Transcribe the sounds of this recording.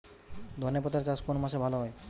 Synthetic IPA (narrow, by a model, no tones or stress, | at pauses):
d̪ʱɔnepɔt̪aɾt͡ɕaskonomaʃebʱaloɦɔj